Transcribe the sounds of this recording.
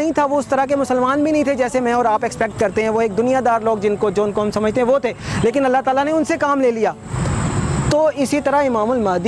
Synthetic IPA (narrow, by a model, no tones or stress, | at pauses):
ɐɦĩt̪ʰaʋoʊst̪ɐɾaɦk̬emʊsəlmaːnbʱinɐ̃ɦĩt̪ʰed͡ʒɛːsemɛ̃ɔːɾaːpɛkspɛk̚ʈ̚kɐɾt̪eɦɛ̃ʋoeːk̚d̪ʊnijad̪aːɾloːɡd͡ʒɪnkod͡ʒoːɪnkoɦɐmsɐməd͡ʒʱt̪eɦɛ̃ʋot̪ʰeːleːkɪnɐlːaɦt̪aːlaneʊnsekaːmleːlijaː | t̪oːɪsit̪ɐɾaɦɪmaːmʊlmaːd̪